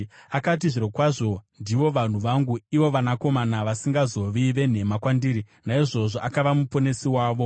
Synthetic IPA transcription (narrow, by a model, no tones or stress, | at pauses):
akat̬iʐiɾo̞kwaʐo̞ndiʋo̞ʋan̤uʋaŋɡuiʋo̞ʋanako̞manaʋasiŋɡazo̞ʋiʋe̞n̤e̞makwandiːɾi | naiʐo̞ʐo̞ʔakaʋamupo̞ne̞siwaːʋo̞